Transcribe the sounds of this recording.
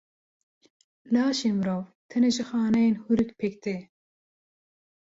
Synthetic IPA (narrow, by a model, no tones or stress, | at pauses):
lɑːʃemɾoːwt̪ʰɐneʒɨxɑːnɛjenhuɾɨkpʰek̚t̪e